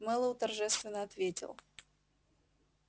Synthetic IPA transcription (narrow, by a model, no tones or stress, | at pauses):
mɛlˠəwt̪ɐrʐɛst̪vʲɪnəɐt̪vʲetʲɪ̰lˠ